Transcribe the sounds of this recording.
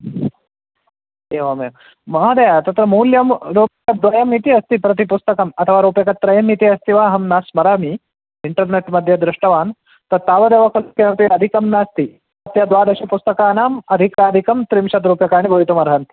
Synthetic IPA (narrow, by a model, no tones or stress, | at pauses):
eːʋame | mɐɦɐd̪ejat̪ɐt̪ɾɐmuːljɐmɾoːpjɐkɐd̪ʋɐjɐmit̪iɐst̪ipɾɐt̪̬ipust̪ɐkɐmɐt̪ʰɐʋaːɾoːpjɐkɐt̪ːɾɐjɐmit̪iɐst̪iʋaːɦɐmnaːsmɐɾaːmi | iɳʈɐɾneʈmɐd̪ʱjɐd̪ɾiʂʈɐʋaːn | t̪ɐt̪aːʋɐd̪eːʋɐkʰɐlukenɐt̪iɐd̪ʱikɐmnaːst̪i | ɐt̪jad̪ʋaːd̪ɐɕipust̪ɐkaːnaːmɐd̪ʱikaːd̪ʱikɐmt̪ɾimʃɐt̪ɾuːpjɐkaːɳ̃ibʱɐʋit̪umɐɾɦant̪i